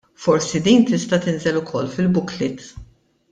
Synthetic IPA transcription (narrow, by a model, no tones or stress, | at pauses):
fɔɾsid̪iːnt̪ɪst̪ɐt̪ɪnzɛlʊkʰɔlːfɪlbʊklɪt̪